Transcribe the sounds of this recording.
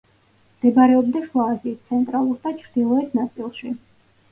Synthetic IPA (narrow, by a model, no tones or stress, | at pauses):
md̪̥ɛbaɾɛɔbd̪aʃwaːziːt̪̚t̪sʰɛnt̪ʼɾalˠuɾd̪at͡ʃʰɾd̪̥ilˠɔɛt̪ʰnat̪sʼilˠʃi